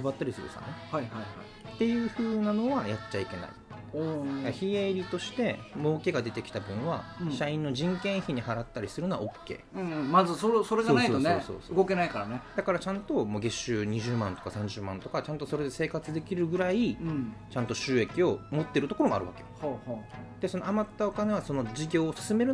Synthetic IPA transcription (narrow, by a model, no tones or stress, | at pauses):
kɯbat̪ːeɾʲisɨjo̰sa̰nehaihaiha̰i | t̪e̞jɯ̟ːɸɯ̟ːnano̞βajatt͡ɕːaike̞na̰ḭ | oaçieɾʲit̪o̞ɕi̥t̪e̞mo̞ːke̞ɡad̪e̞t̪e̞kʲi̥t̪abɯ̟̃ɰ̃βaɕaĩnːo̞ʑĩŋkẽ̞ɰ̃çiɲ̟ihaɾat̪ːaɾʲisɨɾɯ̟no̞βa̰o̞kːe̞̰ːɯ̃mazɨsoso̞ɾeɡaonaiotonoso̞̰ːsoɯɡo̞ke̞naikaɾaned̪̥akaɾat͡ɕãnt̪o̞moːɡe̞ɕɨːɲ̟iʑɨːmãnt̪o̞kasãɲ̟d͡ʑɨːmãnt̪o̞kat͡ɕãnt̪o̞so̞ɾe̞d̪e̞se̞ːkat͡sɨd̪e̞kʲiɾɯ̟ɡɯ̟ɾait͡ɕãnt̪o̞ɕɨːe̞kʲio̞mo̞t̪ːe̞ɾɯ̟t̪o̞koɾoma̰ɾɯ̟βa̰keo̰hohod̪̥e̞so̞noamat̪ːao̞kane̞βaso̞no̞d͡ʑiɡʲo̞ːsɨ̥sɨme̞ɾɯ̟